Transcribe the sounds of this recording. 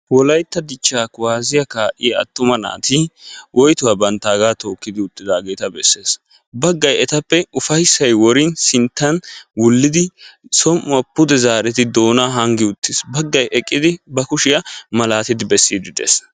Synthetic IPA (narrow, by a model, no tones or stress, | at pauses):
wɔlɐjt̪ːɐd̪ɪt͡ʃːaːkʊwaːzɪjɐkaːʔɪjɐ̰t̪ːʊmɐna̰ːt̪iwʔɔjt̪ʊwɐbɐnt̪ːaːɡaːt̪o̞ːkːɪd̪ɪʊt̪ːɪd̪aːɡeːt̪ɐbɛsːe̞ːs | bɐɡːɐjɛt̪ɐpːɛʊfɐjsːɐjwɔɾɪnsɪnt̪ːɐnwʊlːɪd̪ɪsɔmʔʊɐpːʊd̪ɛzaːɾɛt̪ɪd̪o̞ːnaːɦɐŋɡɪʊt̪ːɪsbɐɡːɐjʔɛkʼːɪd̪ɪbɐkʊʃɪjɐmɐlaːt̪ɪd̪ɪbɛsːiːd̪ɪd̪ḛːs